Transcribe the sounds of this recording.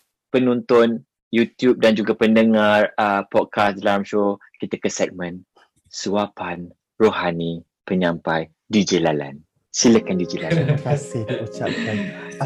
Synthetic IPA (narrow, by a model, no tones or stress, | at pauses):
pənɔ̃nt̪ʊn | jut̪jup̚dand͡ʒuɡapəndəŋarəpɔd̚kasdlamʃo | kit̪əkəsɛk̚mə̃n | suapan | rohani | pəɲãmpaj | did͡ʒəlala̰n | siləkandid͡ʒəlalakasɪhdiut͡ʃa̰p̚kan